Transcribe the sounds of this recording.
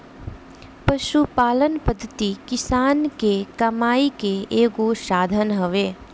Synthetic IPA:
pɐʃupaːlənpəd̪ʱːət̪ikɪsaːnkekɐmaːikeeːɡoʃaːd̪ʱənɦəʋeː

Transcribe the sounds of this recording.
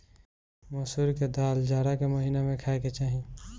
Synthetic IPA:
moːsuːɾked̪aːld͡ʒaːɽakemɐɦiːnemẽkʰaːeket͡ʃaːɦĩ

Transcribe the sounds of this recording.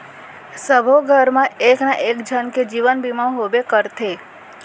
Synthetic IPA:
səbʱoɡʱəɾmãeːknãʔeːkd͡ʒʱənked͡ʒiʋənbimãɦobekəɾt̪ʰe

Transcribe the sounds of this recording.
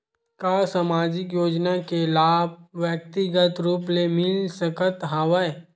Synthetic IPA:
kaːsamaːd͡ʒɪkjoːd͡ʒnakelaːb̚ʋjək̚t̪ɪɡət̪ɾuːplemɪlsəkət̪ɦaːʋəj

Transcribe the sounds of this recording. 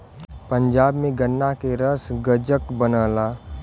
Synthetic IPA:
pə̃ɲd͡ʒaːbmẽɡənːakeɾəsɡəd͡ʒəkbənəːlaː

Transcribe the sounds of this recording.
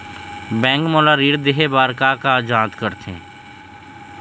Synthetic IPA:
bɛ̃ːŋkmoːlaɾiːɾd̪eɦebaːɾkakad͡ʒãːt̪kəɾt̪ʰḛ̃ː

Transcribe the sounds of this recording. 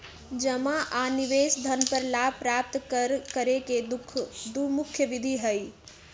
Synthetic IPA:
d͡ʒəmaʔaniʋesd̪ʱənpəɾlabpɾap̚t̪ɾkəɾeked̪ʰd̪umukʰjəʋid̪ʱiɦəj

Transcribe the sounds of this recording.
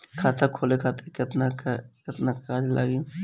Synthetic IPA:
kʰaːt̪ʰakʰoːlekʰaːt̪ʰekɪt̪nakkɪt̪nakaːd͡ʒlʔa̰ːɡi

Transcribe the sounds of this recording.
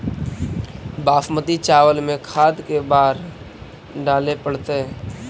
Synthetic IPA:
baːfmət̪it͡ʃaːʋəlmẽkʰaːd̪kebaːɾ | ɖaːlepəɽt̪eɦɛ̃ː

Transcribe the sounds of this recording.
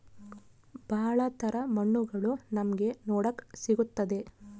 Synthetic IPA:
b̥ʱɐːɐɭɐt̪ʰɐɾɐmɐɳːuɡɐɭunɐmɐɡe̞nɔːɽɐkːsiɡut̪ːɐd̪e̞

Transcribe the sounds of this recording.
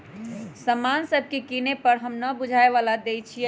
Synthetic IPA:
səmansəbʱkekinepəɾɦəmnəbud͡ʒʱaeʋalad̪ejt͡ʃʰijɛ

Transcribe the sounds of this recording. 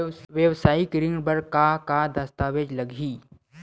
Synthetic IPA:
ʋjəʋsaːikɾɪ̃ŋɡɽbɐɾkakad̪ɐst̪aːʋed͡ʒlɐɡʱiː

